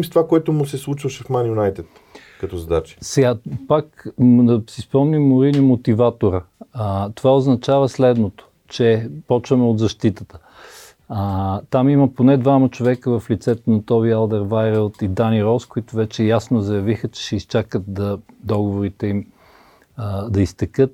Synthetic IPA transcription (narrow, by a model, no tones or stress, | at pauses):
mist̪ovakoɛt̪ʊmʊsɛslˠut͡ʃvəʃɛfmanjʊnajt̪ɛt̪ | kɐt̪ɔzɐd̪at͡ʃi̥sɛɡapakd̪ɐsispɔmnʲimːʊɾinimot̪ivat̪oɾət̪ovaoznɐt͡ʃavəslɛd̪not̪o̥ | t͡ʃɛpɔt͡ʃvɐmɛod̪zɐʃt̪it̪ət̪ə̥ | t̪amimɐponɛd̪vamɐt͡ʃovɛkəvɐflit̪sɛt̪onɐt̪ɔβialˠd̪ɛɾvajɾəlˠt̪id̪aniɾɔskoit̪ʊvɛt͡ʃɛjasnozɐjɐvixət͡ʃɛ̥ʃɛist͡ʃakət̪̚d̪ɐd̪ɔɡovoɾit̪ɛim | d̪ɐist̪ɛkɤt̪̚